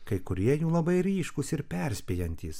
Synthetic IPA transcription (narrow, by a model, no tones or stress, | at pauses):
kɐɪkʊɾʲiɛjuːlˠɐbɐɪɾʲiːʃkʊsɪɾpʲɛɾʲsʲpʲiːjɛnʲt̪ʲiːs